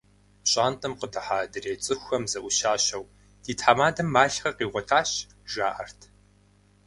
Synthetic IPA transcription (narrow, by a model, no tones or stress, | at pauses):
ɕʼaːntʼɐmqədɐħaːdɨreːt͡sʼɨxʷɐmzɐʔʷʊɕaːɕɐw | d̥iːtʰħaːmaːdɐmːaːɬχɐqiːʁʷɔtʰaːɕ | ʒaːʔɐrtʰ